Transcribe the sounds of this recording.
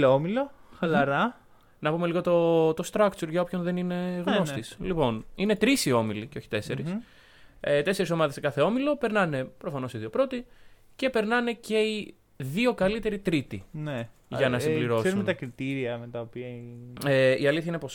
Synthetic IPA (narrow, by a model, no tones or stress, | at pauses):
omiloxɐlɐɾɐ | nɐpumeliɣo̞t̪ot̪o̞st̪ɾɐkt͡suɾʝɐo̞pço̞nðe̞nine̞ɣno̞st̪islipo̞nine̞t̪ɾisio̞miliceo̞çi̥t̪e̞se̞ɾis | et̪ese̞ɾis̬o̞mɐðesekɐθe̞o̞milo̞pe̞ɾnɐne̞pɾo̞fɐno̞siðio̞pɾo̞t̪i | ce̞pe̞ɾnɐne̞ce̞i | ðio̞kɐlit̪e̞ɾit̪ɾit̪ineʝɐnɐsibliɾo̞sumnt̪ɐkɾit̪iɾiɐmet̪ɐopiɐeiɐliθçɐinepos